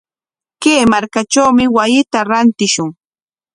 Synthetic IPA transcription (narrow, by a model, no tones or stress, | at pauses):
keːmaɾkat͡ʃawmɪwajɪt̪aɾant̪ɪʃʊŋ